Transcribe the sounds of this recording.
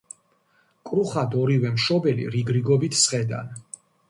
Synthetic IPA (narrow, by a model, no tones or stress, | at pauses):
kʼɾuχad̪ɔɾivɛmʃɔbɛlḭɾiɡɾiɡɔbit̪ʰsχɛd̪a̰n